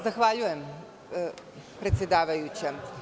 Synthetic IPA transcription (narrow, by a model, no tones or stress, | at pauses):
zaxʋaʎujɛm | pɾet̪sʲjed̪aːʋajut͡ɕɛ